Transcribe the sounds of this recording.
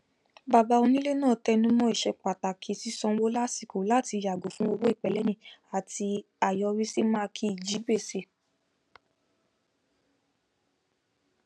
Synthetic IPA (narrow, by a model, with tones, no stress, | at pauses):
ba˧˨ba˧˦o˧nĩ˦le˦nãː˦˨tɛ˧nũ˦mɔ̃˦i˨ʃɛ˧k͡pa˨ta˨kʰi˨˦si˦sɔ̃˧˦wo˦la˦si˦˨ko˨˦la˦˨ti˧˨ja˨ɡo˨˦fũ˦o˧wo˦i˦˨k͡pɛ˨lɛ˦nĩ˦a˨ti˧ | a˨jɔ˧ɾi˦si˦mãː˦˧kʰi˦i˨d͡ʒi˨˦be˦˨se˧˨